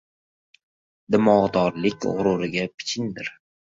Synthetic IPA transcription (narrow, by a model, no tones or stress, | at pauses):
d̪ɪmɒʁd̪ɒɾlɪkʲʁʊ̰ɾʊɾɪɡʲapʰɪ̥t͡ʃʰɪnd̪ɪɾ